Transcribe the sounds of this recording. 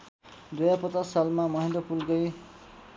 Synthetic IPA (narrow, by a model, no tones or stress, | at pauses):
d̪ojapʌt͡sassalmamʌɦĩnd̪ʌpulkʌj